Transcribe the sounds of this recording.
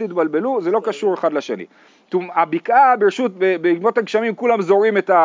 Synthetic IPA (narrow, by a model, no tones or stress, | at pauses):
tit̪balbe̞luzelo̞kaʃuʁe̞χad̪laʃenḭ | t̪umabikʔabeʁʃut̪̚bebeɡmo̞t̪haɡʃamimkulamzo̞ʁime̞t̪a